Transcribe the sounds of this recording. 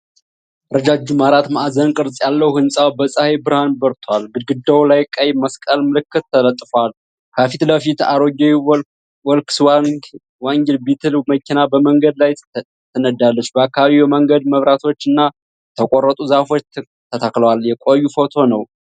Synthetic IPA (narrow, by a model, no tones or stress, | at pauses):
ɾəd͡ʒad͡ʒumaɾat̪maʔazənkʼɨɾsʼjalːəwhɨnsʼawbəsʼəhebɨɾhanbəɾt̪ʰwalɡɨd̪ɡɨd̪ːəwlajkʼəjməskʼəlmɨlɨkʰːɨt̪ʰːələt̪ʼːfwal | kʰəfit̪ləfit̪a̰ɾoɡe | wɔlksw | waŋɡɛlbit̪ʰɨlməkʰinabəməŋɡəd̪laj | t̪ʰənəd̪alːət͡ʃːbəakːaβaβiwjɛməŋɡəd̪məβɾat̪ʰo̞t͡ʃːɨnːa | t̪ʰəkʼorːət̪ʼuzafo̞t͡ʃ | t̪ʰət̪ʰakləwaljɛkʷʼojːufo̞t̪ʰo̞nəw